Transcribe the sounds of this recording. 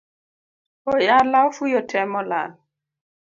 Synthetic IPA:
ojalaufujɔtʰɛmɔla̰

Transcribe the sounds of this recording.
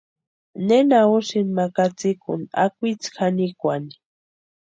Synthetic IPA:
nenauʃinmakat͡sikʊna̰kʷit͡sxʰanikʷani̥

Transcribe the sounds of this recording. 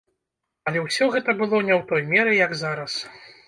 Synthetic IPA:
ɐlʲɛwsʲɔɣɛt̪ɐbɨlˠɔnʲɛwt̪ɔjmʲɛɾɨjɐɡzaɾɐs

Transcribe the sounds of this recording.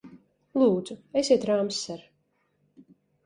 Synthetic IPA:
lˠuːd̪z̥uesʲiɛt̪ɾamsːɛɾ

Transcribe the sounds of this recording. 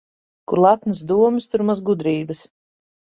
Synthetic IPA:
kuɾlˠat̪nɨs̬d̪uɔmɨst̪uɾmazɡud̪ɾiːbɨs

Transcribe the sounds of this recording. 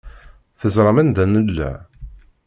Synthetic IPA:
θəzɾˤɑmænd̪ænəlːæ̰

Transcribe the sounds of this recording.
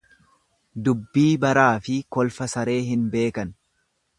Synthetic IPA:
d̪ʊbːiːbɐɾaːfɪkɔlfɐsɐɾe̞ːɦɪnbe̞ːkɐn

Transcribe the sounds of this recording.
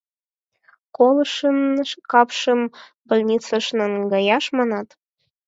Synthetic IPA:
kolˠɤ̆ʃə̆nkɑpʃə̆m | bə̆lʲnʲit͡səʃnɤ̆nɡɑjɑʃmɑnɑt̪

